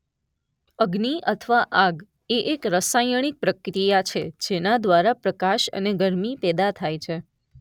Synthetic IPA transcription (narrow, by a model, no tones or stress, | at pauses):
əɡniʔət̪ʰəʋaʔaɡ | eʔekɾəsajəɽ̃ik̚pɾəkɾijat͡ʃʰed͡ʒenad̪ʋaɾapɾəkaʃə̰neɡəɾmipɛd̪at̪ʰajt͡ʃʰe